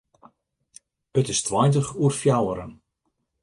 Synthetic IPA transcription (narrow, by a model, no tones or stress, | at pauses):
ətɪstʰwɔjtəχuərfjawəɾən